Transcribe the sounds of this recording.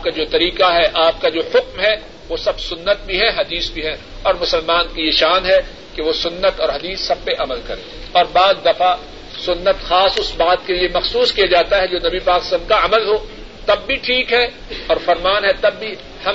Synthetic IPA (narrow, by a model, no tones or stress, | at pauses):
aːpkad͡ʒoːt̪ɐɾiːqaɦɛʔaːp̚kad͡ʒoːhʊkmɦɛ | ʋoːsɐbsʊnːət̪̚bʱiɦɛɦɐd̪iːsbʱiɦɛ | ɔːɾmʊsəlmaːnkijeʃaːnɦɛ | keʋoːsʊnːət̪ɔːɾɦɐd̪iːsːɐb̚peʔɐməlkɐɾẽː | ɔːɾbaːd̪d̪ɐfa | sʊnːət̪xaːsʊsbaːt̪̚keliemɐxsuːskijad͡ʒaːt̪aɦɛd͡ʒoːnɐbipaːkɪst̪ankaɐməlɦoː | t̪ɐbːiʈʰiːkɦɛ | ɔːɾfɐɾmaːnɦɛt̪ɐbːi | hɐ